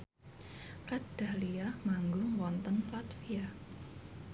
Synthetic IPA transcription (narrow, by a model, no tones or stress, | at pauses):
kad̥aliamaŋɡʊwɔnt̪ənplat̪fia